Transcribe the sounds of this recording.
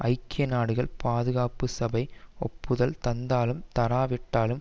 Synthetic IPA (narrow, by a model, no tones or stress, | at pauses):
ʔɐɪkːɪjɐnaːɽɯɣɐɭpaːðɯɣaːpɯsɐbɐɪɔpːɯðɐlt̪ɐnd̪aːlɯmt̪ɐɾaːʋɪʈːaːlɯm